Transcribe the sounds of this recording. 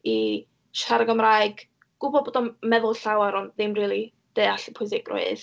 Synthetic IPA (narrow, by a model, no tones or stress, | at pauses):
i | ʃaɾəɡəmraɨɡ̥ | ɡ̥ʊbɔboːdɔmɛðʊlˠɬawaɾɔnðɪmriːlˠi | d̥eaɬə̥pʰʊɨs̬ɪɡ̥rʊ̰ɨð